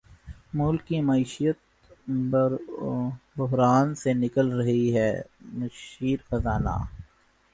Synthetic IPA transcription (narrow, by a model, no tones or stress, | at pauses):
mʊlkimɐiːʃijət̪̚ | ɾ | bʊɦɾaːnsenɪkəlɾɐɦiɦɛːmɐʃiːɾxɐzaːna̰ː